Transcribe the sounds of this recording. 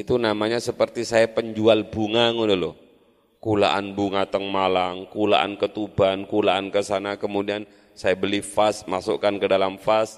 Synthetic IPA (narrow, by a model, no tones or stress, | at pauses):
it̪unamaɲasəpərt̪isajapəɲd͡ʒualbuŋaŋudolo | kula̰ʔa̰nbuŋat̪əŋmalaŋkula̰ʔa̰nkət̪ub̥ankulaʔankəsanakəmudian | sajabəlifasmaso̰kankədalamfas